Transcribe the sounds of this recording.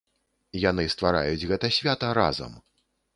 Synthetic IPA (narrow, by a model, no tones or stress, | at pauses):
janɨst̪vaɾa̰jud͡zʲɣɛt̪ɐsʲvʲat̪ɐɾa̰zɐ̰m